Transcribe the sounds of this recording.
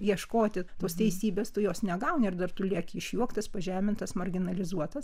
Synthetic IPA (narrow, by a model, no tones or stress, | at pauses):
jiɛʃkoːt̪ʲɪt̪oːst̪ʲɛɪsʲiːbʲeːst̪ʊjoːsnʲɛɡɐʊnʲɪrd̪ɐrt̪ʊlʲiɛkʲɪʃʲjuɔkt̪ɐspɐʒʲæːmʲɪnt̪ɐsmɐrʲɡʲɪnɐlʲɪzuɔt̪ɐs